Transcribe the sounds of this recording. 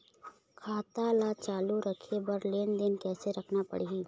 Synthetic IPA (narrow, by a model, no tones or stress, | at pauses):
kʰaːt̪alat͡ʃaːluɾəkʰebɐɾleːnd̪ɪnkɛːseɾɐkʰnapə̰ɽiiː